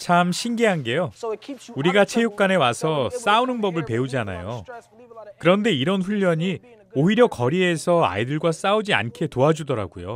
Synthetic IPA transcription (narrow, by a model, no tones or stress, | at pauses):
t͡ɕʰamɕʰinɡiɦanɡe̞jouɾiɡat͡ɕʰe̞juk̚k͈ane̞wasʰʌs͈aunɯnbʌbɯɭpe̞ud͡ʑana̰jo̰ | kɯɾʌnde̞iɾʌnɸuʎːʌɲi | oɦiɾjʌkʌɾie̞sʰʌa̰idɯɭɡwas͈aud͡ʑia̰nkʰe̞toad͡ʑudʌɾa̰ɡujo̰